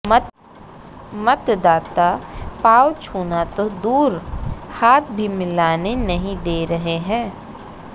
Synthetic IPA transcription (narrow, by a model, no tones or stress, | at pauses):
mɐt̪d̪aːt̪apaːwt͡ʃʰuːnat̪od̪uːɾhaːt̪̚ʰbʱimɪlaːnenɐɦĩd̪eːɾɐɦeɦɛ̃ː